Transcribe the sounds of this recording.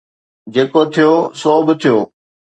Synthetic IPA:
d͡ʑeːkot̪ʰijoːsoːbɪt̪ʰijoː

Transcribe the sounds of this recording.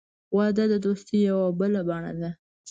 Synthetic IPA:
wɑd̪ad̪əd̪ost̪ejawabəlabɑɳa̰d̪a

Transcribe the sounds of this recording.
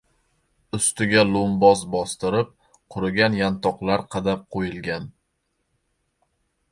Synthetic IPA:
ʊst̪ɪɡʲalˠʊmbɒzbɒst̪ɪɾɪp̚ | qʰʊɾɪɡʲanjant̪ʰɒqlˠaɾqʰɑd̪ap̚qʰojɪlˠɡʲan

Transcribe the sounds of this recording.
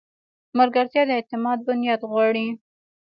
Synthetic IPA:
maɾɡaɾt̪jɑd̪əɪt̪ɪmɑd̪̚bʊnjɑd̪ɣwɑɽi

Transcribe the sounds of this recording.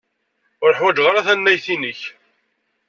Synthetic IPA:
ʊɾħwæd͡ʒʁəɾaθænːæjθinəç

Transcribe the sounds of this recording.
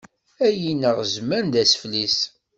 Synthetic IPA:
æjinəʁzmænd̪æsflis

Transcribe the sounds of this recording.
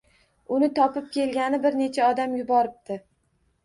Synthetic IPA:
ʊnɪt̪ʰɒpɪp̚kʲe̞lɡʲanɪbɪɾne̞t͡ʃʰaɒd̪amjʊbɒɾɪp̚t̪ɪ

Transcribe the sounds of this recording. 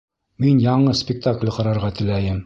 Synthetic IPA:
minjɑɴɤspʲɪk̚t̪aklʲqɑɾɑɾʁɑt̪ɘ̆læjɘm

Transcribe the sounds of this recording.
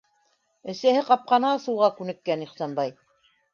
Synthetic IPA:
ɘ̆sæhɘqɑp̚qɑnɑsɤwʁɑkʉnɘ̆kːæniχsɑnbɑj

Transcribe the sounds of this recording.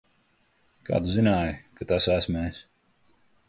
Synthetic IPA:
ka̰ːd̪uzinaːjkat̪asæsmɛːs

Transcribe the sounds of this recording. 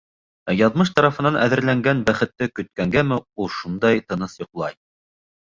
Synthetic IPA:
æjɑðmɤʃ̬t̪ɑɾɑfɤ̆nɑnʔæðɘ̆ɾlæŋɡænbæχɘ̆t̪ːɘkɵ̆t̪̚kæŋɡæmɘulˠʃund̪ɑjt̪ɤ̆nɤsjŏqlˠɑj

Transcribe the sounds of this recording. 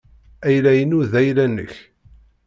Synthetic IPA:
æjlæjənuðæjlænːə̰ç

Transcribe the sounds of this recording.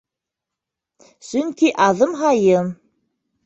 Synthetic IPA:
sɵŋkiʔɑðɤmɦɑjɤm

